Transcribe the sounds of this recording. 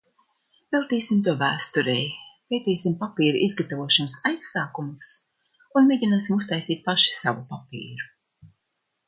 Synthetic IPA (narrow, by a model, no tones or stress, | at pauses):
vɛlˠt̪iːsimt̪uɔvæːst̪uɾejpejt̪iːsimpapiːɾuʔizɡat̪avuɔʃansajsːaːkumus | unmeːɟʲinaːsimus̬t̪ajsiːt̪̚paʃi̥savupapḭːɾu